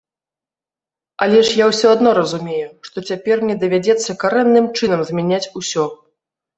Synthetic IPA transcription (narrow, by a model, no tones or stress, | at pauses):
alʲɛʂjawsʲɔad̪nɔɾɐzumʲejuʂt̪ɔt͡sʲapʲɛrmnʲɛd̪ɐvʲad͡zʲɛt̪sːɐkaɾɛnːɨmt͡ʂɨn̪ɐmzʲmʲanʲat͡sʲusʲɔ